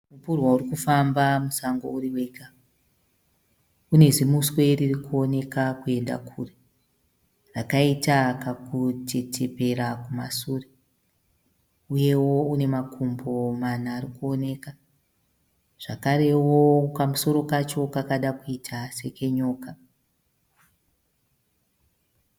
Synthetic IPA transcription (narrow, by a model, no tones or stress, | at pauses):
mupurwauɾikufambamusaŋɡo̰uɾiwe̞ka | une̞zimuswe̞ririkuo̞ne̞kakue̞nda̰kʰure | rakaitakakutʰe̞tʰe̞pe̞ɾakuma̰sure | uje̞wo̞une̞makʰumbo̞manaːrikuo̞ne̞ka | ʐ̥akaɾe̞wo̞pamuso̞ɾo̞kat͡ʃo̞kakaɗakuitʰase̞ke̞ɲo̞ːka